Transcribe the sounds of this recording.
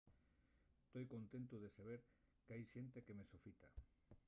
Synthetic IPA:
st̪ojkont̪ẽnt̪ʊðesaβ̞eɾ | keajʃent̪ekemesofit̪a̰

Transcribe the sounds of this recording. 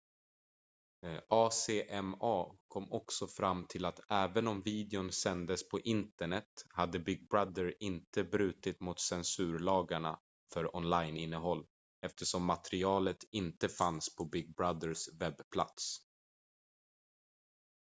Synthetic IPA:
ʔɑːseːʔɛmɑːkʰɔmːɔksɔfɾamːt̪ʰɪlat̪ʔæːvənɔmviːd̪ɛʊnsɛnd̪əspʰɔʔɪnt̪əɳɛt̪had̪ːəbɪɡ̚bɾad̪əɾɪnt̪əbɾʉ̟ːt̪ɪt̪mʊt̪sɛnsʉ̟ːɾɭɑːɡaɳa̰ | fœɾɔnlajnɪnːəɦɔlː | ɛft̪ʰəʂɔmːat̪ɾɪɑːlət̪ɪnt̪əfanspʰɔbɪɡ̚bɾad̪əɾsvɛbːpʰla̰t̪s

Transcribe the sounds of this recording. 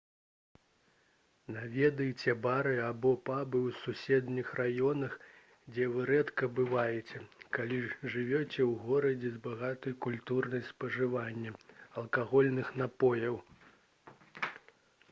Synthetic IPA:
navʲɛd̪ɨjt͡sʲɛbaɾɨabɔpabɨwsusʲɛd̪nʲixrajɔnɐx | d͡zʲɛvɨɾɛt̪kɐbɨvajɛt͡sʲɛkalʲiʐɨvʲɔt͡sʲɛwɣɔɾɐd͡zʲɛzbaɣat̪ɐjkulʲt̪urnɐjspɐʐɨvanʲːɐɐlˠkaɣɔlʲnɨxnapɔjɐw

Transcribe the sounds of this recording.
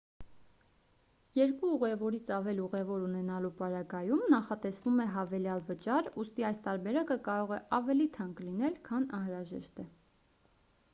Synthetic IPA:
jɛɾkuuʁɛvɔɾit͡sʰɑvɛliuʁɛvɔɾunɛnɑlupɑɾɑɡɑjumnɑχɑt̪ɛsvumɛɦɑvɛljɑlvət͡ʃɑɾust̪iɑjst̪ɑɾbɛɾɑkəkɑɾɔʁɛʔɑvɛlit̪ʰɑŋklinɛlkʰɑnɑnhɾɑʒɛ̰ʃt̪ɛ

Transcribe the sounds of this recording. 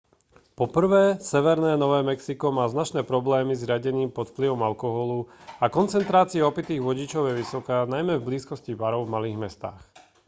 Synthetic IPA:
pɔpr̩ʋɛːsɛʋɛɾnɛːnɔʋɛːmɛksikɔmaːznat͡ʃnɛːpɾɔblɛːmizɾɪaɟɛniːmpɔt̪fpliʋɔmalkɔɦɔluakɔnt͡sɛnt̪ɾaːt͡siɛɔpit̪iːɣʋɔɟit͡ʃɔʊjɛʋisɔkaːnajmɛvbliːskɔsciʋaɾɔʊvmaliːɣmɛst̪a̰ːx

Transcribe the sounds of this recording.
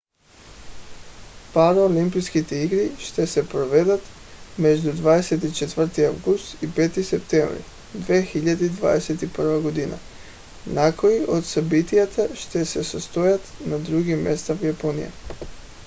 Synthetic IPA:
paɾolimpijskit̪eiɡɾiʃt̪esepɾoʋed̪at̪ | med͡ʒd̪ud̪ʋaːd̪eset̪it͡ʃet̪ʋr̩t̪iawɡust̪ipe̞ːt̪isept̪emɾḭ | d̪ʋeːxiʎad̪ed̪ʋa̰ːd̪eset̪ipr̩ʋaɡod̪ina̰ | nakojiʔod̪sabit̪ijat̪ʰaʃt̪esesast̪ojat̪nad̪ɾuɡimːest̪afjaponḭja̰

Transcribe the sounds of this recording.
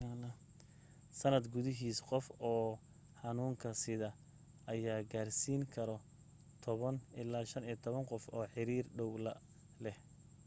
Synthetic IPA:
alɐ | sɐnɐd̪ɡʊðɪɦiːsqɔfɔː | ħɑnuːŋkʰɐsɪðɐ | ʔɐjaːɡaːrsiːŋkʰɐɾɔ | t̪ʰɔβɐnɪlaːʃɐniːt̪ʰɔβɐnqɔfɔːħɪɾiːrɖɔwlɐ | lɛh

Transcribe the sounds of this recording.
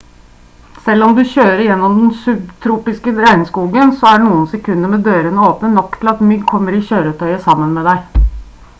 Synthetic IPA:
sɛlːɔmd̪ʉɕøːɾəɾɪjɛnːɔmd̪ɛnsʉbt̪ʰɾuːpɪskəɾæɪnskuːɡənsɔæɖnuːənsɛkʰʉnːəmɛd̪øːɾənəoːpnənɔkːt̪ʰɪlɑt̪mʏɡkʰɔmːəɾɪçøːɾət̪ʰœʏəsɑmːənmɛd̪æɪ

